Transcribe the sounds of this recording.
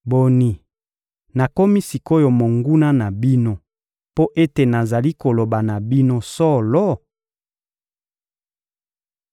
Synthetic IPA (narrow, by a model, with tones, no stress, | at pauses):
bo˨ni˨ | na˨ko˦mi˦si˨ko˦jo˨mo˨ŋɡu˦na˦na˨bi˦no˦ | po˦ʔe˦te˨na˨za˨li˦ko˨lo˨ba˨na˨bi˦no˦sɔ˦lɔ˦